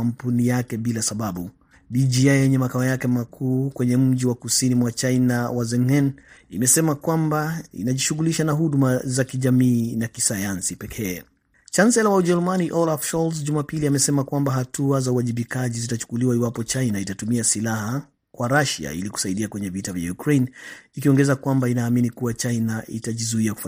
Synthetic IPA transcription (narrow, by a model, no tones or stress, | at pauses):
am̩punijakɛɓilasaɓaɓu | ɓiʄiajɛɲɛmakaɔjakɛmakʰuːkwɛɲɛm̩ʄiwakusinimwat͡ʃajnawazɛŋhɛnimɛsɛmakwambaḭnaʄiʃuɣuliʃanaɦuɗumazakiʄamiːnakisajansipɛkʰɛː | kansɛlawauʄɛɾumaniʔɔlafʃɔlsʄumapiliamɛsɛmakwambaɦatuazauaʄiɓikaʄizitat͡ʃu̥kuliwaiwapɔt͡ʃajnaitatumiasilaha | kwaɾaʃa̰ḭliku̥saiɗiakwɛɲɛvitavja̰jukɾejnikiɔŋɡɛzakwambainaːminikuwat͡ʃajnaitaʄizuiakuf